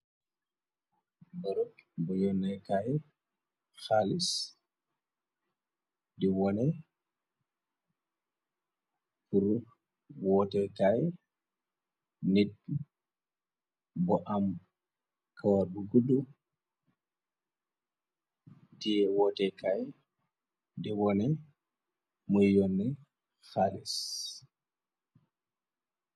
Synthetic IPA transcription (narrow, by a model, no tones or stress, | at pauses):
bɔɾɔbɔjɔnɛkajɛ | xalis | diwɔnɛ | puɾu | wɔtɛkajɛ | nid̚ | bɔʔam | kʰawaɗuɡudu | dɛɛwɔtɛkaj | dɛwɔnɛ | mujjɔnːɛ | xalɛs